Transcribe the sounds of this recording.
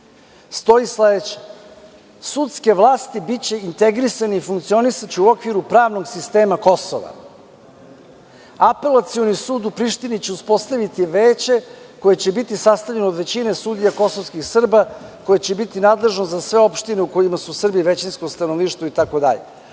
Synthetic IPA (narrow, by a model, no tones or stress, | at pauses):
st̪o̞isleet͡ɕe̥ | sut̪ske̞ʋlˠaːst̪ibit͡ɕe̞int̪e̞ɡɾisaniifuŋkt̪sio̞nisat͡ɕeuo̞kʋiɾupɾaːʋno̞ɡsist̪e̞ːmako̞so̰ʋa̰ | ape̞lat̪sio̞nisuːd̪upɾiːʃt̪init͡ɕe̞uspo̞st̪aʋit̪iʋeːt͡ɕe̞ | ko̞jet͡ɕe̞bit̪isast̪avʎe̞nod̪ʋe̞t͡ɕine̞suːd̪ijako̞sovskixsr̩bako̞jet͡ɕe̞bit̪inaːd̪le̞ʒnozasʋe̞o̞pʃt̪ineuko̞jimasusr̩biʋe̞t͡ɕinskost̪anovniːʃt̪ʋoit̪ako̞d̪a̰ʎe